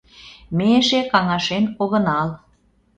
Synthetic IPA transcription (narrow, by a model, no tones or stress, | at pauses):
meʃekɑŋɑʃenoɣə̆nɑl